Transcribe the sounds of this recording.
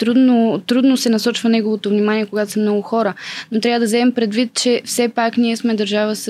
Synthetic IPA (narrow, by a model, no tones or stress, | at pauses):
t̪ɾud̪not̪ɾud̪nosɛnɐsɔt͡ʃvɐnɛɡovot̪ovnimaniɛkoɡat̪osɛmnɔɡʊxɔɾənot̪ɾʲavəd̪ɐvzɛmɛmpɾɛd̪vit̪̚t͡ʃɛfsɛpakniɛsmɛd̪ɐɾʒavəs